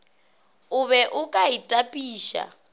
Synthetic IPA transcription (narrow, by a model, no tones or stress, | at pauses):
uβɛʔukʼaitʼapʼiːʃa̰